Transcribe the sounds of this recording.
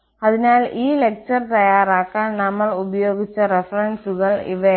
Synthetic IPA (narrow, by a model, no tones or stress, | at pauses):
ɐðɪnaːliːlɛk̚t͡ʃɐɾt̪ɐjaːɾaːkːɐnɐmːɐɭʊbɐjoːɣɪt͡ʃːɐɾɛfɐɾɐɳɖsɯɣɐɭɪ̰ʋe